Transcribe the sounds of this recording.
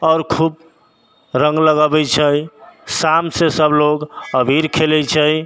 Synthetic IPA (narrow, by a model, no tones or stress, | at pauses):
ɔːɾkʰub | ɾə̃ŋɡləɡəbɛt͡ʃʰəjsamsesəbloɡəbʱiɾkʰelɛjt͡ʃʰəj